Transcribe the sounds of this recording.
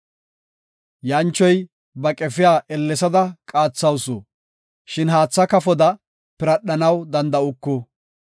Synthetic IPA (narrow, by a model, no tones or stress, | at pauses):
jɐnt͡ʃːɔj | bɐkʼɛfɪjaːʔɛlːɛsɐd̪ɐkʼaːt͡sːɐwsɔ | ʃɪnhaːt͡sːɐkɐfɔd̪ɐ | pɪɾɐɗːɐnɐwd̪ɐnd̪ɐʊkːɔ